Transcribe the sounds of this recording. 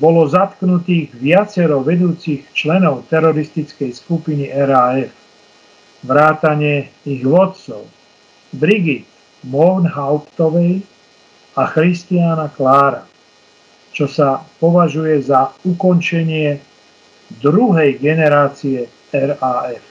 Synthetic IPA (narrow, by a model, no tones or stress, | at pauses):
bɔlɔzat̪knut̪iːɣʋɪat͡sɛɾɔʋɛd̪uːt͡sixt͡ʃlɛnɔʊt̪ɛɾɔɾist̪it͡skɛjskupiniʔɛɾaːɛf | ʋɾaːt̪aɲɪɛiɣʋɔt̪̚t͡sɔ̰ʊ | bɾiɡit̪ | mɔɾnɦaʊpt̪ɔʋɛj | axɾist̪ianaklaːɾa̰ | t͡ʃɔsapɔʋaʒujɛzaukɔnt͡ʃɛɲɪɛ | d̪ɾuɦɛjɡɛnɛɾaːt͡siɛ | ɛɾaɛf